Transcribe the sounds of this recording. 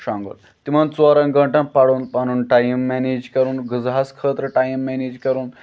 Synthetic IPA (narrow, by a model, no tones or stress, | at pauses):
ɕãŋɡo̰l | t̪imənt͡saɾə̃ŋɡə̃ɳʈãnpaɽoːnpanuːnʈajimːened͡ʑkɐɾuːnɡəd͡zɦaskʰət̪ɾəʈajimːened͡ʑkɐɾuːn